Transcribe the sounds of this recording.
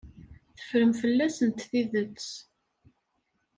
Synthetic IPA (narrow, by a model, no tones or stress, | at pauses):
θə̥fɾəmfəlːæsənt̪θiðət͡sː